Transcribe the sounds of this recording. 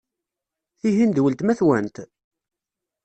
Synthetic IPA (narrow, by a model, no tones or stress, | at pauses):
θiɦind̪wəlt̪mæθwænt̪